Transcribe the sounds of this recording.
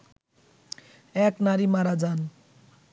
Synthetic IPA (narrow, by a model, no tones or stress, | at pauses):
ɛknaɾimaɾad͡zan